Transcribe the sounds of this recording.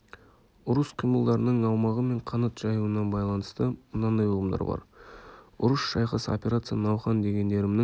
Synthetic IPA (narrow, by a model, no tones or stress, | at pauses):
ʊɾəsqʰijməlˠd̪ɑɾənəɴɑwmɑʁəme̞ɴqʰɑnɑt̪ʒ̥ɑjuənɑbɑjlˠɑnəst̪əmənɑnːɑjolˠəmd̪ɑ̰ɾbɑ̰ɾ | ʊ̰ɾəsʃɑjqəso̰pʲe̞ɾat̪sɨjɑnɑwχɑnd̪e̞ɡʲe̞nd̪e̞ɾɪmnɪŋ